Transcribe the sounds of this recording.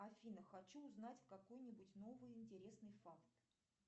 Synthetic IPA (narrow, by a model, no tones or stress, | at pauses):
ɐfʲinəxɐt͡ɕuːznatʲkɐko̞jnʲɪbʊtʲno̞vɨjɪnʲtʲɪɾʲe̞snɨjfakt̪